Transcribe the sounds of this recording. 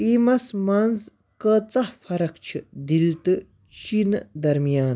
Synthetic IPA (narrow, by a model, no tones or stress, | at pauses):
imɐsmɐnz | kət͡sɐhfʰɐɾɐkt͡ʃʰid̪ilt̪ɨ | t͡ʃind̪ɐɾmijaːn